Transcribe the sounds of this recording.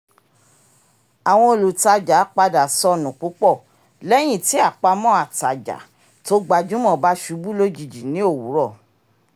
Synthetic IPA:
a˨w̃ɔ̃˧o˨lu˨ta˧d͡ʒa˨˦k͡pa˧da˨sɔ˧nũ˨k͡pu˨˦k͡pɔ˦˨ | lɛ˦j̃ĩ˦˨ti˨˦a˦˨k͡pa˧mɔ̃˦a˨ta˨d͡ʒa̰˨˦ | to˦ɡ͡ba˧d͡ʒũ˦mɔ̃˦˨ba˦ʃu˨˧˦bu˦lo˦d͡ʒi˧˨d͡ʒi˨nĩ˨˦o˦˨wu˨˦ɾɔ˦˨

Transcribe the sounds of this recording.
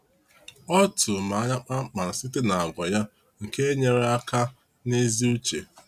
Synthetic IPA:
ɔ˦tʊ˨ma˨a˦ɲa˦k͡pa˦k͡pa˨ɾa˨sɪ˦te˦na˨a˨ɡʷa˨ja˦ | ŋ̩˨ke˦e˦ɲe˨ɾe˦a˦ka˦ | ne˦zi˦u˦t͡ʃḛ˨

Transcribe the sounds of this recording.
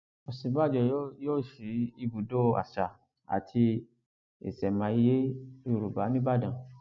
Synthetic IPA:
o˨sĩ˨˦ba˦˨d͡ʒɔ˧˦jo˦ʃi˨˦i˧bu˨do˦a̰˨ʃa˨ | a̰˨tʰi˧ | ḛ˨sɛ˨mã˨˧i˧je˦i˧ɾu˨ba˨˦nĩ˦ba˦dã˨

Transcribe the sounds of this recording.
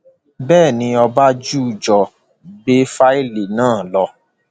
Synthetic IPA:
bɛː˦˨nĩ˧ɔ˧ba˦d͡ʒu˦˨d͡ʒɔ˨ | be˦fa˦e˦˨le˨nãː˦˨lɔ˧

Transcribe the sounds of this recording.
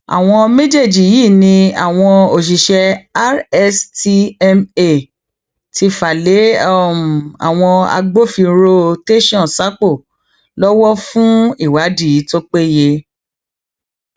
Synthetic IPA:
a̰˨w̃ɔ̃˧mẽ˦d͡ʒe˦˨d͡ʒi˨˦jiː˦˨nĩ˧a̰˨w̃ɔ̃˧o˨ʃ̬i˨ʃɛ˧a˦ɾɛ˧sti˧ɛ˧me˦˨ | ti˧fa˨le˨˦˨ | a̰˨w̃ɔ̃˧a̰˧ɡ͡bo˦fi˧˦ɾo˦te˦ʃɔ̃˦˨sa˦k͡po˦˨ | lɔ˦wɔ˦fũ˦i˦˨wa˨˦di˦˨i˨˦to˦k͡pe˦˨je˧

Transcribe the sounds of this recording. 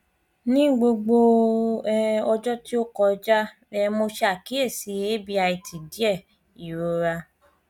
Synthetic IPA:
nĩ˦ɡ͡bo˧ɡ͡bo˧˦ | ɔ˧d͡ʒɔ˦ti˦o˦kɔ˧d͡ʒa˦ | ɛ˧mo˧ʃe˧a˨ki˨˦e˦˨si˨˧˦e˦bi˧˦a˧i˧ti˨di˨˦ɛ˦˨ | i˨ɾo˨˧ɾa˧

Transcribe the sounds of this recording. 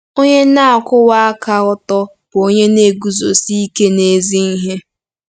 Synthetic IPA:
o˦ɲe˦na˦a˨kʊ˦wa˦a˦ka˦ʊ˦tɔ˦ | b̥o˦ɲe˦ne˦˨ɡu˨zo˨si˦i˦ke˦ne˦zi˦n̩˦ɦe˦

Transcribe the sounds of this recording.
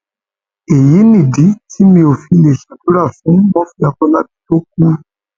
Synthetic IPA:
e˨ji˨˦nĩ˦˨di˨˦tʰi˨˦mĩ˧o˨fi˧le˨ʃa˨du˨˦ɾa˦˨fũ˨˦mɔ̃˦fi˧˦a˧kɔ̃˦la˦bi˦to˦k̚u˦

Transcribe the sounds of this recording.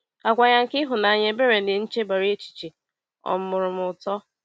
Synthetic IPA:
a˨kʷa˨ɲa˦ŋ̩˨kɪ˦ɦʊ˨na˨ɲe˦be˦ɾe˨nɪ˨n̩˦t͡ʃe˦ba˨ɾi˦e˦t͡ʃi̥˨t͡ʃi˨ | ɔ̰˨m̩˦mʊ˨ɾʊ˨mʊ˨ʊ˨tɔ˦

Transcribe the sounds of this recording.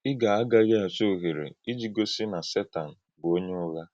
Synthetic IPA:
ɪ˦ɡa˨a˦ɡa˦ɣa˨so˦˨ɦe˨ɾḛ˨i˦d͡ʒi˦ɡo˦si˦na˨se˦ta˨n̩˨ | bo˦ɲe˦ʊ˦ɣa˦

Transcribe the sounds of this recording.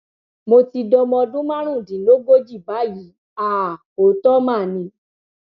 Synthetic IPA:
mo˧ti˧dɔ˧mɔ̃˧dũ˦mã˦ɾ̃ũ˦˨dĩ˨˦lo˦ɡo˦d͡ʒi˦˨ba˨˦ji˨˦ | a˦˨ | o˨tɔ˦mã˦˨nĩ˧˦

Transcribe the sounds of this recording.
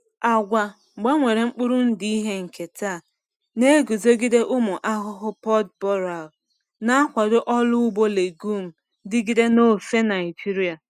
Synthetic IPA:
a˨ɡʷa˨ | ŋ͡m̩˨ɡ͡ba˦ŋʷe˨ɾe˨ŋ͡m̩˦k͡pʊ˦ɾʊ˦n̩˦di˦i˦ɦe˦ŋ̩˨ke˨tʰaː˦˨ | ne˦ɡu˨zo˦ɡi˦de˦ʔʊ˦mʊ˨ʔa˦ɦʊ˦ɦʊ˦pɔ˦tbɔ˦ɾa˨l | na˦a˦kʷa˨dʊ˦ʔɔ˦lʊ˦ʊ˦ɡ͡bo˦le˨ɡu˦m̩˨ | dɪ˦ɡi˦de˦no˦˨fe˦na˨ɪ˨d͡ʒi˦ɾi˦a˨

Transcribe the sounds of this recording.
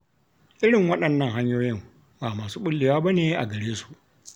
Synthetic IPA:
ʔɪ˦ɽɪ˨ŋwɐ˦ɗɐ˨nːɐ˦ŋɦa˦ɲjoː˦jɪ˦m | baː˨maː˨suː˦ɓʊ˦lːɪ˨waː˦ba˦neː˨˦ʔa̰˨ɡɐ˨ɽeː˦su̥˨ʔ

